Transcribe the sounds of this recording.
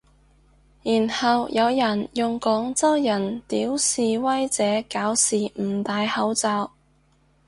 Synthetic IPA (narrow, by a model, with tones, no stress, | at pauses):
jiː˨˩nhɐ˨wjɐ˨˧wjɐ˨˩njʊ˨ŋkɔː˨˥ŋt͡sɐ˥wjɐ˨˩nt̪iː˨˥wsiː˨wɐ˥jt͡sɛː˨˥kaː˨˥wsiː˨m̩˨˩t̪aː˨˧jhɐ˨˥wt͡saː˧w